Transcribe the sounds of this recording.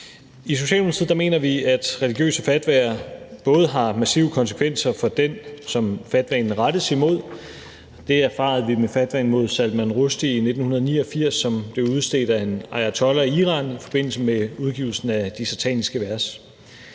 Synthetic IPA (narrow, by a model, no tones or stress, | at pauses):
is̬o̝ɕɛ̰ːlmunt͡sʰið̰ˠd̥ɑme̝̰ːnɐʋiæd̥ʁɛliɡ̥jø̰ːsəfæd̥ʋæ̰ɐb̥ɔ̽ːð̞̩ˠɦɑ̈mæsḭʊəkʰɒ̽nsə̥kʰʋen̰sɐfɒ̽d̥ensɒ̽mfæd̥ʋɛ̰nn̩ʁad̥əsimo̝ð̞̰ˠ | d̥e̝æɐfɑ̰̈ːð̞ˠʋimefæd̥ʋɛ̰n̩mo̝ð̞̰ˠsæl̥mænʁosd̥iːne̝d̥n̩hunɐð̞̩ˠnḭːɒ̽fiɐ̰sːɒ̽mb̥le̝ʊuð̞̩ˠsd̥ḛːd̥æe̝nɑ̈ɪæt͡sʰɒ̽lɐiiːʁɑ̈ːnifɒ̽b̥e̝n̰l̩səmeuðˠɡ̥iːʊl̩sn̩æd̥isɑt͡sʰɛ̰nisɡ̥əʋæɐs